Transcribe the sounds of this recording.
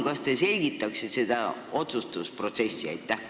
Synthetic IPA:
kɑst̪e̞se̞lʲɡit̪ːˑɑksise̞d̪̥ɑo̞t̪sust̪uspro̞t̪se̞sʲːiɑ̰jt̪ːˑæh

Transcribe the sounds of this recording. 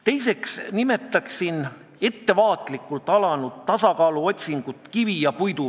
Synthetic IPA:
t̪e̞jse̞ksnime̞t̪ːˑɑksin | e̞t̪ːe̞vɑːt̪ˑlikːˑult̪ːˑɑlɑnud̪t̪ːɑsɑkɑːluo̞t̪ʲsiŋɡ̥ut̪ːˑkivijɑpujt̪u

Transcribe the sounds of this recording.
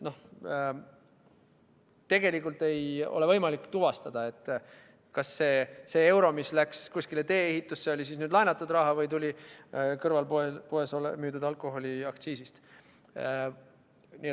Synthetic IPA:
no̞h | t̪e̞ɡ̥e̞likːˑult̪ˑe̞jo̞̰le̞vɤjmɑlikːˑt̪uvɑst̪ɑd̪̥ɑe̞t̪ˑː | kɑsːe̞ːse̞e̞wɾo̞mislækskusʲkilet̪e̞ːehit̪ːˑusːe̞o̞lʲisisnyːd̪lɑjnɑt̪ːˑud̪rɑɦɑvɤjt̪ulʲikɤrvɑlpoepoesolemyːd̪ud̪ɑlkˑo̞ɦo̞lʲiɑkt̪siːsist̪ | nie

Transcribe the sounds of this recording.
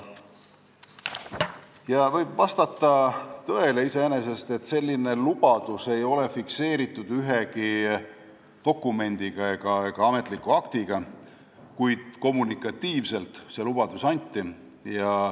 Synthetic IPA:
jɑvɤjbvɑst̪ɑt̪ːˑɑt̪ø̞e̞le̞ise̞ene̞se̞st̪e̞t̪ːˑse̞lʲːine̞lub̥ɑd̪̥use̞jo̞le̞fikse̞ːɾit̪ːˑud̪̥yɦe̞ki | t̪o̞kːˑume̞nʲd̪̥iɡ̥ɑeɡ̥ɑeɡ̥ɑɑme̞t̪likːˑuɑkt̪iɡ̥ɑ | kujd̪̥ko̞mːunikːˑɑt̪ːiːvse̞lt̪se̞lub̥ɑd̪̥usɑnʲt̪ːˑi | jɑ

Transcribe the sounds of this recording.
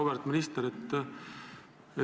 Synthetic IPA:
obeɾt̪minist̪eɾet̪ː | e

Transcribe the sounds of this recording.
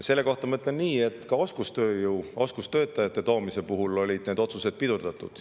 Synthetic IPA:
se̞lːe̞ko̞ht̪ɑmɤt̪ˑle̞nniːe̞t̪ːˑkɑo̞skust̪ø̞ːjuwo̞skust̪ø̞ːt̪ːˑɑjɑt̪ˑːe̞t̪o̞ːmise̞puɦulo̞lʲid̪̥ne̞ːd̪o̞t̪suse̞d̪̥̚pid̪̥urd̪̥ɑt̪ːˑṵd̪̥

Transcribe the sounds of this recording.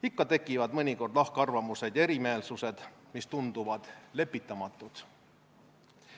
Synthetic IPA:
ikːɑt̪e̞kːˑivɑd̪mɤnʲiko̞rd̪lɑhkeɑrvɑmuse̞d̪̥jɑeɾime̞ːlsuse̞d̪̥mist̪und̪̥uvɑd̪̥le̞pːit̪ːˑɑmɑt̪ːˑut̪

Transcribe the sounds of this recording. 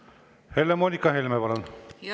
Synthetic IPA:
helːemoːnʲikːɑɦelʲmepɑlon

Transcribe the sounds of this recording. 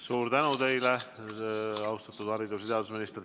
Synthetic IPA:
suːɾt̪ænut̪e̞jle | ɑwst̪ɑt̪ːud̪̥hɑɾid̪ust̪eɑd̪us̬minist̪r

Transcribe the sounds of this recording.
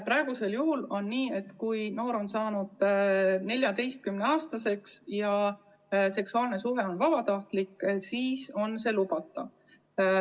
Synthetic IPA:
pɾɑe̞ɡ̥use̞ljuhulo̞nːiːe̞t̪ːkujno̞ːɾo̞nsɑːnud̪̥ne̞lʲjɑt̪e̞jst̪̚kymneɑːst̪ɑse̞ksjɑ | se̞ksuɑːlne̞suɦe̞o̞nvɑb̥ɑt̪ɑht̪likːsiːso̞nse̞lubɑt̪ːˑɑ

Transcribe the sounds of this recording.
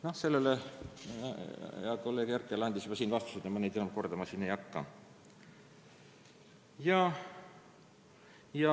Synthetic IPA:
nohse̞lːelḛ | jɑko̞lːe̞ːɡ̥jærkːˑelɑnd̪ʲisjyb̥ɑsiːnvɑst̪u̥sed̪ɑmɑned̪inumko̞rd̪ɑmɑsinejɑkːɑ̰ | jɑ | jɑ

